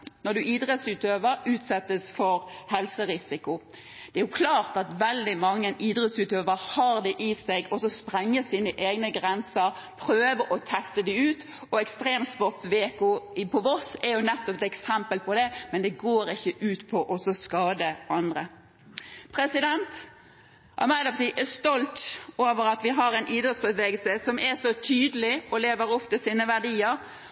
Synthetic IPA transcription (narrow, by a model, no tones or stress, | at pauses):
nɔd̪ʉʔiːd̪ʁɛt̪sʉːt̪øːʋəɾʉːt̪sɛt̪ːəsfɔɾhɛlsəʁɪsɪkʊ | d̪̥ɛæɾjʊkʰlɑːʁt̪ɑt̪ʋɛld̪ɪmɑŋːənʔiːd̪ʁɛt̪sʉːt̪øːʋəʁhɑːʁd̪ɛʔɪsɛɡɔsɔspʁɛŋːəsiːnəʔeːɡnəɡʁɛnsəɾ | pʰʁøːʋəɾʔɔt̪ʰɛst̪əd̪ɪʉːt̪ | ɔɛkst̪ʁeːmt̪sʋɔt̪ʋeːkʊɪpʰɔɔsɛjʊnɛt̪ːɔpɛt̪ɛksɛmpəlpʰɔd̪ɛmɛnd̪ɛɡoːɾɪçːəʔʉːt̪pʰɔʔɔsɔskɑːd̪əɑnd̪ʁə | pʰʁɛsɪd̪ɛnt̪ | ʔɑ̰mæɪlɔʋt̪iːʔɛst̪ɔlt̪oːʋəɾɑt̪ʋɪɦɑɾɛɪnʔiːd̪ɾɔt̪sbəʋeːɡəlsəsɔmʔɛsɔt̪ʰyːd̪əlɪɔleːʋəɾɔft̪əsiːnəʋæʁd̪iːəɾ